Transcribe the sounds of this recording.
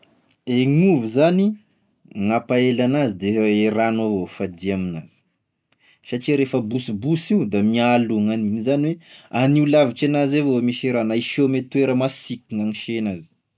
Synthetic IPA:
eŋuvizani | ŋapaelanazid̪eeɾanavofad̪iaminaz̥i̥ | saʈ͡ʂiɾefəbusibusiud̪amialuŋaninizaniweaniulavit͡ʃenazevomiʃeɾanaiʃomet̪ueɾəmasikiŋaŋiʃenazi̥

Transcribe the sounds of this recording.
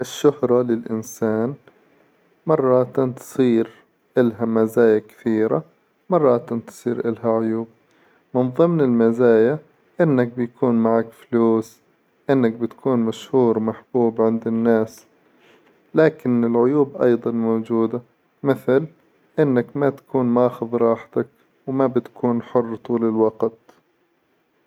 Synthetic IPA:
ʔɪʃːʊhɾˤɑlɪlʔɪnsaːn | mɑrˤːɑt̪nt̪sˤiːɾ | ʔɪlɦamazaːjakɪ̥θiːɾa | mɑrˤːɑt̪nt̪sˤiːɾʔɪlhaʕʊjuːb̚ | mɪnðˤɨmnɪlmazaːja | ʔɪnːak̚bɪjkʰuːnmaʕakfluːs | ʔɪnːak̚bɪt̪kʰuːnmaʃhuːɾmaħb̥uːbʕɪnd̪ɪnːaːs | laːkɪnɪlʕʊjuːbʔɑ̰jd̪ˤɑnmoːd͡ʒuːd̪a | mɪθl | ʔɪnːakmat̪ḁkuːnmʔaːxʊðˤɾˤɑːħt̪ak | wmabɪt̪ḁkʰuːnħʊrːt̪ˤuːlɪlwɑɡt̪

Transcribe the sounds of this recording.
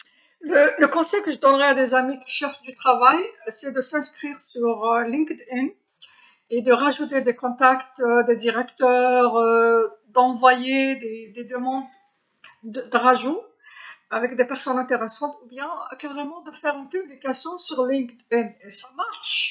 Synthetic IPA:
lələkɔ̃sɛjkəʒəd̪ɔnʁɛad̪ezamikʲi̥ʃɛʁʃd̪yt̪χavajsɛd̪əsɛ̃skχiʁsyʁlĩkd̪in | ed̪əʁaʒut̪̬ed̪ekɔ̃t̪akt̪d̪ed̪iʁɛkt̪œːʁ | d̪ɑ̃vwajed̪ed̪ed̪əmɑ̃d̪ | əd̪əʁaʒu | avɛkd̪epɛʁsɔnɛ̃t̪eʁɛsɑ̃t̪ubjɛ̃kaʁemɑ̃d̪əfɛʁɛ̃npyblikasjɔ̃syʁlĩŋkd̪inesamaʁʃ

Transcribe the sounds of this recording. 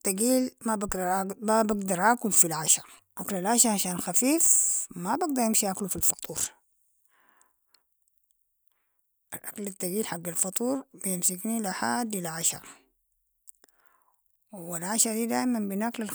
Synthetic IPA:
t̪ːaɡiːlmabaabaɡd̪ɑɾˤʔaːkʊlfilʕaʃɑɾˤ | ʔaklalʕaʃaˤʕaʃaːnxafiːfmabaɡ̚d̪ɑɾˤjɪmʃiʔaklufilfɑt̪ˤuːɾ | ʔalʔaklat̪ːaɡiːlħaɡːalfɑt̪ˤuːɾbjɪmsɪknilaħaːd̪ʔɪlaʕaʃa̰ɾˤ | wɪlʕaʃad̪iːd̪aːʔɪmanbɪnʔaklal

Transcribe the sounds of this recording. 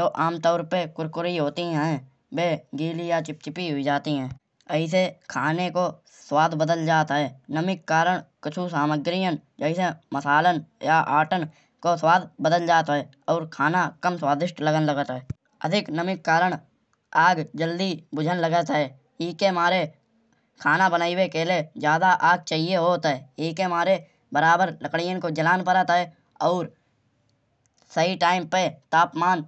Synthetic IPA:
oːʔaːmt̪ɔːɾpekʊɾkʊɾiɦoːt̪iɦɛ̃ | beːɡiːlijat͡ʃɪp̚t͡ʃɪpiɦʊid͡ʒaːt̪iɦɛ̃ː | əɪs̬ekʰaːneko | swaːd̪ʱbəd̪əld͡ʒaːt̪ɦɛːnəmɪkːaːɾəɽ̃kət͡ʃʰusaːməɡɾijənd͡ʒəɪseməsaːlənjaʔaːʈən | koswaːd̪ʱbəd̪əld͡ʒaːt̪ɦɛː | ɔːɾkʰaːnakəmswaːd̪ɪʃʈləɡənləɡət̪ɦɛː | ə̰d̪ʱɪknəmɪkːaːɾəɽ̃ | aːɡd͡ʒəld̪ibʊd͡ʒʱənləɡət̪ɦɛː | iːkemaːɾe | kʰaːnabənaːiwekeled͡ʒjaːd̪aʔaːɡ̚t͡ʃaːɦieɦoːt̪ɦɛːiːkemaːɾe | bəɾaːbəɾləkɽɪjənkod͡ʒəlaːnpəɾət̪ɦɛː | ɔːɾ | səɦiʈaːɪmpet̪aːpmaːn

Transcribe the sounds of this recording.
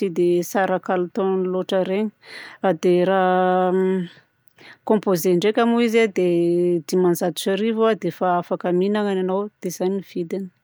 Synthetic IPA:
sid̪esaɾakalut̪onnloʈ͡ʂəɾeɲɾad̪eɾa | kõmpozeɳɖ͡ʐekʲamuizad̪ed̪imanzad̪u̥t͡ʃaɾivuad̪efaafakəminaŋananawd̪̥ez̥aniv̥id̪anə̥

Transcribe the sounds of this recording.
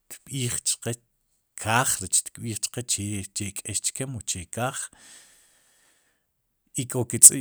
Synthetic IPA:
t̪ɓiːχt͡ʃqe | kʰaːχɾet͡ʃt̪kɓiːχt͡ʃqet͡ʃet͡ʃekʼeʃt͡ʃkemot͡ʃekaːχ | ikʼoket͡sʼḭ

